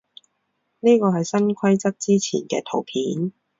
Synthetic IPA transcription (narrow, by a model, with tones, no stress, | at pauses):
niː˥kɔː˧hɐ˨jsɐ˥nkʷʰwɐ˥jt͡sɐ˥k̚t͡siː˥t͡sʰḭː˨˩nkɛ̰ː˧t̪ʰo˨˩wpʰiː˨˥n